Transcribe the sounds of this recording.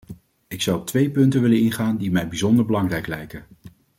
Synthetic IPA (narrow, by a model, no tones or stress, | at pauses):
ɪksɑwɔp̚tʋejpɵntənʋɪlənɪnχaːndimɛjbizɔndəɹbəlɑŋrɛjklɛjkən